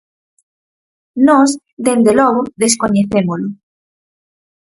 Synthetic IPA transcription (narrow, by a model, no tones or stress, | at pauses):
nɔs | ðend̪elɔɣ̞oðeskoɲeθemolo